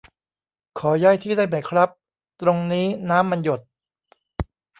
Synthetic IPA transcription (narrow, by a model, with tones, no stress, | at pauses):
kʰɔː˩˦jaː˥˩jt̪ʰiː˥˩daː˥˩jma˨˦jkʰɾa˦˥p̚ | t̪ɾo˧ŋniː˦˥naː˦˥mːa˧njo˨˩t̪̚